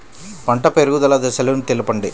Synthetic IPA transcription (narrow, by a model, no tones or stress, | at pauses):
pɐɳʈɐpeɾuɡud̪ɐlɐd̪ɐsɐlunit̪elipɐɳɖi